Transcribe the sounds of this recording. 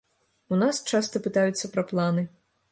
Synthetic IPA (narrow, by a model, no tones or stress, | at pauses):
unast͡ʃɑst̪ɔpɪt̪ajʊt͡sʲːɐpɾɔplˠɑnɪ